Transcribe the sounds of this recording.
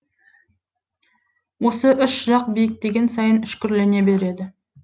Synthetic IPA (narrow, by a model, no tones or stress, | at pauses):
wo̞səʔʏʃʒɑqbijɪk̚d̪e̞ɡʲe̞nsɑjənʏʃkʲʏɾle̞ne̞be̞ɾe̞d̪ɪ